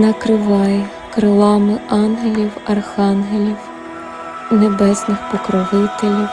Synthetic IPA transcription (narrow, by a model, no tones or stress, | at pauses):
nɐkɾɪʋɑjɛ | kɾɪlˠɑmɪʔɑnɦelʲiwɐrxɑnɦelʲiw | nebɛsnɪxpɔkɾɔʋɪt̪elʲiw